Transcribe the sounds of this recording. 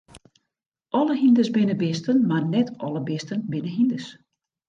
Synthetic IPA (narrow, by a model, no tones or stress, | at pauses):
ʔɔləɦindəsbɪnəbɪstənmarnɛtʰɔləbɪstənbɪnəɦindəs